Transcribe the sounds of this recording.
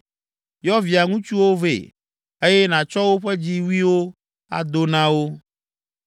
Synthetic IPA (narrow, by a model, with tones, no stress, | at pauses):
jɔ˦vi˨a˨ŋũ˦t͡ʃu˦wo˦vḛ˨ | e˦je˦nã˨t͡ʃɔ˦wo˦ɸe˦d͡ʑi˦wu˦i˦wo˦ | a̰˦d̪o˦nã˦wo˦